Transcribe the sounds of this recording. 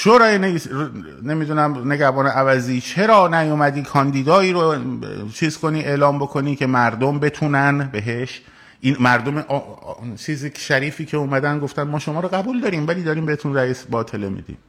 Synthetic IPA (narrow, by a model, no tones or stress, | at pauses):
ʃoɾɒːjeneis | ne̞mid̪unæmne̞ɟæhbɒːneʔævæziːt͡ʃʰe̞ɾɒːnæjomæd̪iːkʰɒːnd̪iːd̪ɒːiːɾot͡ʃʰiːz̥ko̞niːʔe̞lɒːmbo̞kʰo̞niːcʰe̞mæɾd̪o̞mbe̞t̪ʰuːnænbe̞ɦe̞ʃ | ʔinmæɾd̪o̞meʔt͡ʃʰiːziʃæɾiːfiːcʰe̞uːmæd̪ænɡo̞ft̪ænmɒːʃo̞mɒːɾoɣæbuːld̪ɒːɾiːmvæliːd̪ɒːɾiːmbe̞het̪unræjisbɒːt̪ʰe̞le̞mḭd̪ḭm